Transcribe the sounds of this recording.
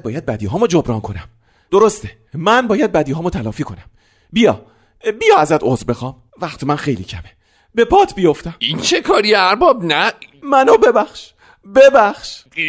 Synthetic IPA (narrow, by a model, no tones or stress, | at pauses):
bɒːjæd̪̚bæd̪iːɦɒːmod͡ʒobɾɒːnkʰo̞næm | d̪̥oɾo̞st̪e | mænbɒːjæd̪̚bæd̪iːɦɒːmot̪ʰælɒːfiːkʰo̞næm | bijɒ̰ː | bijɒːæzæt̪ʰozɾbe̞xɒːm | væχt̪ʰemænxe̞jlḭːcʰæ̰me | be̞pʰɒːt̪ʰbijo̞ft̪æmint͡ʃʰekʰɒːɾieæɾbɒːbnæmænobe̞bæxʃ | bebæxʃ